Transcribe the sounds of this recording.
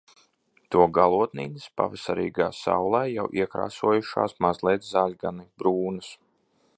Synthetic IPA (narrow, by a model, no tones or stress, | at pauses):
t̪uɔɡalˠuɔt̪niːnəspa̰vɪsaɾḭːɡaːsa̰wlˠɛːjawʔiɛkɾa̰ːsuɔjuʃa̰ːsmazlˠɛːt̪zaːlʲɡanbɾuːnɐs